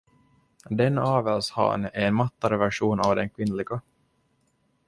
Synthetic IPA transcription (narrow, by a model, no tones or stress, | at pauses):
d̪ɛnɑːvɛlshɑ̰ːnæɾɛnmat̪ːaɾəvæʂuːnavd̪ɛnkʰvɪnlɪɡa